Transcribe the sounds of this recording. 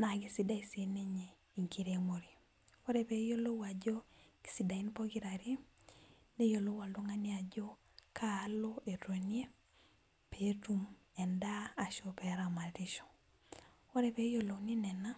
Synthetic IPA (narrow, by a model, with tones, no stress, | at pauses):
na˨ɡi˨si˨da˦i˨se˨ne˦ɲe˨ | i˨ŋki˦ɾemo˨ɾi˨ | wo˦ɾe˨pe˨˦jo˦lo˦wa˨d͡ʒo˦ki̥˦sida˨i˦npɔ˦ɡi˦ɾa˨ɾi˦ | ne˦jo˨lo˦wa˨ldo˦ŋa˦ni˦a˨d͡ʒo˦ | kʰaː˦lo˦e˨te˨ni˦e˦ | pe˦tu˦m | ɛ˨ndaː˦˨ʃo˨pɛ˨ɾa˨ma˨ɾi˦ʃɔ̥˨ | o˦ɾe˨pe˦jo˦lo˨ni˦nɛ˨na˦